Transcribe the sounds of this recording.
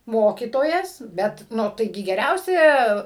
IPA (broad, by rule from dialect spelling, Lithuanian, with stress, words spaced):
ˈmoːkʲiːtoːjɛs ˈbʲɛt ˈnʊ tɐɪˈɡʲɪ ɡʲɛˈrʲɛʊsʲɛ